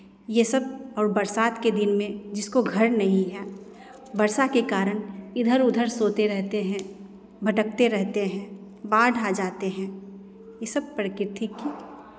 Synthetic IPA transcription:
jesəb̚ɔːɾbɐɾsaːt̪ked̪ɪnmẽd͡ʒɪskoɡʱɐɾnɐɦĩɦɛː | bɐɾsakekaːɾənɪd̪ʱəɾʊd̪ʱəɾsoːt̪eɾɛɦt̪eɦɛ̃ː | bʱɐʈək̚t̪eɾɛɦt̪eɦɛ̃ː | baːɾɖʱad͡ʒaːt̪eɦɛ̃ː | jesəb̚pɾkɪt̪ʰikːi

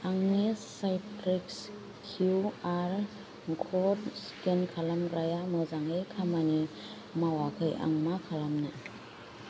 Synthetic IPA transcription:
aŋnisajtɾiks | kʰjuaɾ | ɡʰɔtskenkʰalamɾajamɯzaŋɯjkʰamani | mawakʰɯjʔa̰ŋmakʰalamnɯ

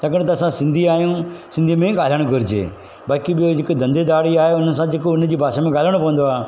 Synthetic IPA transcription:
t̪ɐkəɽ̃t̪̬ɐːsãsɪ̃nd̪ʱiaːjũːsɪ̃nd̪imẽɡaːləɽ̃ɡʱʊɾɪd͡ʑḛː | baːkiɓɪjod͡ʒɪkod̪ɐ̃nd̪ed̪aːɽiaːɦeʊnsãd͡ʒɪkoʊn̤əd͡ʑiːbʱaːʃamẽɡaːləɽ̃pɐʋə̃nd̪oaː

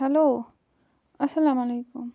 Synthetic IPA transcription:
ɦɐloː | ɐsɐlaːmɐleːkʊm

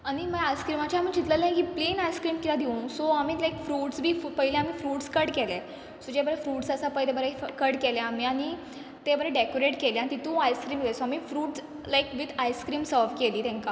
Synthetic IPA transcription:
aɽ̃iməajskɾimat͡ɕaam̤iːd͡ʑit̪ləlakiːplenajskɾiːmkilad̪ʱiũsoamiːlajkfɾuːʈsbʱiːfpəɦilẽamiːfɾuːʈskəɽkɛle | sod͡ʑebəɾɛfɾuːʈsəsapəilebəɾekəɽkelẽamiːaɽ̃i | t̪ebəɾɛɖekoɾeʈkeleanit̪it̪ũajskɾiːmlesoamiːfɾuːʈs | lajkʋid̪ʰajskɾiːmsəɾʋkeliːt̪ɛ̃ŋka

